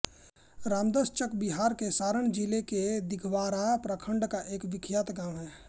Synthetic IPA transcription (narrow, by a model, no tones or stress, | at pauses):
ɾaːmd̪əst͡ʃəkbiɦaːɾkesaːɾəɳd͡ʒileked̪ɪkʰʋaːɾapɾəkʰəɳɖkaʔeːkʋɪkʰjat̪ɡãːmɦɛː